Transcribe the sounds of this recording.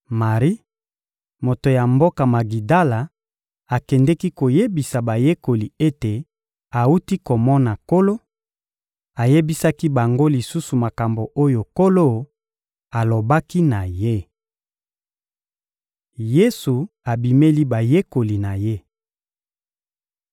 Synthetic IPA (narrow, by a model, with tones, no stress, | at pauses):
ma˨ʁi˦ | mo˨to˨ja˨mbo˦ka˨ma˨ɡi˨da˦la˨ | a˨kɛ˨ndɛ˦ki˦ko˨je˦bi˨sa˨ba˨je˦ko˨li˨e˦te˨ | a˨u˦ti˦ko˨mɔ˦na˨ko˦lo˦ | a˨je˦bi˦sa˦ki˦ba˨ŋɡo˦li˨su˦su˨ma˨ka˨mbo˨ʔo˦jo˨ko˦lo˦ | a˨lo˨ba˦ki˦na˨je˦ | je˦su˨ | a˨bi˨me˦li˦ba˨je˦ko˨li˨na˨je˦